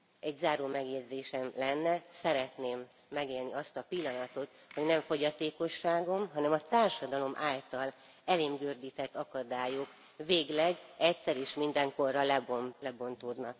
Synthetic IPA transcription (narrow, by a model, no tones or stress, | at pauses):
ɛɟzaːɾoːmɛɡjɛɟzeːʃɛmlɛnːɛsɛɾɛt̪neːmː | ɛɡeːlniɒst̪ɒpilːɒnɒt̪o̞t̪ | ho̞ɟnɛɱfo̞ɟɒt̪eːko̞ʃːaːɡo̞mɦɒnɛmɒt̪aːrʃɒd̪ɒlo̞mʔaːlt̪ɒl | ɛleːmɡøːrd̪iːt̪ɛt̪ːɒkɒd̪aːjok | veːɡlɛɡɛcsɛɾiʃmind̪ɛŋko̞rːɒlɛbolɛbo̞nt̪oːd̪nɒk